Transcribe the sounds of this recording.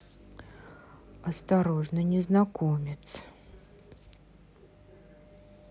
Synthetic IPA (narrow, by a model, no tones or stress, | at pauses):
ɐst̪ɐɾo̞ʐnənʲɪznɐkomʲɪt̪s